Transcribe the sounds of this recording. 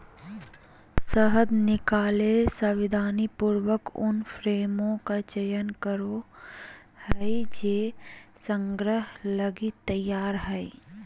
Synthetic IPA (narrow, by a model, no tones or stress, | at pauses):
səɦəd̪nɪkaːlesəʋɪd̪ʱaːnipuːɾwəkʊ̰nfʰɾeːmõkat͡ʃəjənkəɾo | hɛid͡ʒeːsə̃ŋɡɾəɦləɡit̪əjːaːɾɦɛi